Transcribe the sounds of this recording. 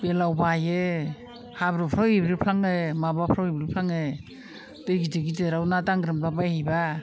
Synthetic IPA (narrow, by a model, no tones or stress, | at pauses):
belawbaje | habɾɯpʰɾawebɾipʰlaŋemabapʰɾawibɾipʰlaŋe | dɯjɡideɡideɾawnataŋɡɾɯmblabajhajba